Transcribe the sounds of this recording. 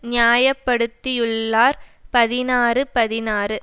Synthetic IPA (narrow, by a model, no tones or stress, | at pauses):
nɪjaːjɐpːɐɽɯt̪ːɪjɯɭːaːɾpɐðɪnaːrɯpɐðɪnaːrɯ